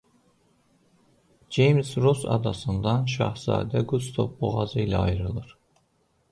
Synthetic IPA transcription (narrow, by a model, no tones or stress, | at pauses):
d͡ʒejmsɾosɑ̰d̪ɑsɯnd̪ɑnʃ̬ɑ̰hz̥ɑ̰ːd̪æɡust̪ʰovboʁɑzɯilæɑjɾɯlˠɯɾ̥